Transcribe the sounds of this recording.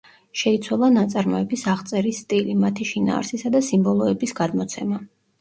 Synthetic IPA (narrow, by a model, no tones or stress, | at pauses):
ʃɛit̪sʰwalˠanat̪sʼaɾmɔɛbisaʁt̪sʼɛɾisːt̪ʼilimat̪ʰiʃina̰ːɾsisad̪asimbɔlˠɔɛbisɡad̪mɔt̪sʰɛma